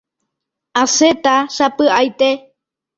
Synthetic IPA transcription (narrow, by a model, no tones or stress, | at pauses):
aset̪aʃapɨajt̪e